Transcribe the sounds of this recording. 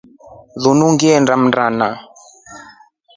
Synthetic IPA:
ðunuŋɡiɛndam̩ndana

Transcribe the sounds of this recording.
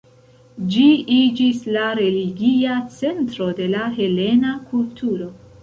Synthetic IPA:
d͡ʒiid͡ʒislaɾe̞liɡiat͡se̞ntɾo̞de̞laɦe̞le̞nakʰultʰuɾo̞

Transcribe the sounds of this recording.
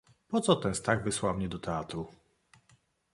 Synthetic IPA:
pɔt̪sɔt̪ɛnst̪aɡvɘswawmɲɛd̪ɔt̪ʰɛat̪ɾu

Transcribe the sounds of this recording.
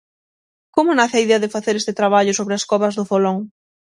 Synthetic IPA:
komʊnaθeaiðeɐðɪfaθeɾest̪ɪt̪ɾaβaʎʊsoβɾɪaskɔβɐzðʊfoloŋ

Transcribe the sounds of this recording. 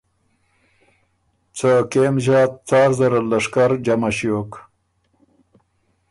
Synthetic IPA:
t͡sakemʑɑːt̪̚t͡saːɾzaɾalaʂkaɾd͡ʒamaɕjok

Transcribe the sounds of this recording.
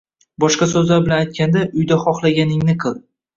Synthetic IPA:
bɒʃqɑsɵzlaɾbɪlanajt̪̚ʲkʲand̪aʔʊjd̪aχɒχlˠaɡʲanɪŋnɪqʰɨlˠ

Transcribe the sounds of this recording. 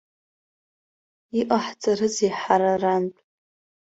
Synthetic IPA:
iʔʼaħt͡sʼarɨzeħaɾarantʼ

